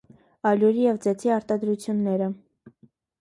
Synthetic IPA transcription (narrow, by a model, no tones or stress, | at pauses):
ɑljuɾijɛvd͡zɛt͡sʰiɑɾt̪ɑd̪ɾut͡sʰjunːɛɾə